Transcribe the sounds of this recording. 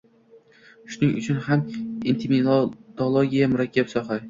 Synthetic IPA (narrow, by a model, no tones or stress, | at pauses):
ʃʊnɪŋʊ̰t͡ʃʰʊnhamint̪ʰimit̪olˠoɡʲijamʊɾakʲʰːapsɒχa